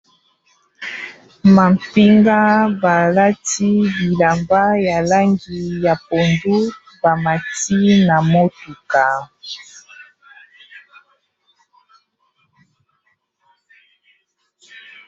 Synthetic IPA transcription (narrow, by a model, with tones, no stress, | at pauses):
ma˨mpi˦ŋɡa˦ba˨la˦ti˦bi˨la˨mba˦ja˨la˦ŋɡi˨ja˨po˨ndu˦ | ba˨ma˨ti˦na˨mo˦tu˨ka˨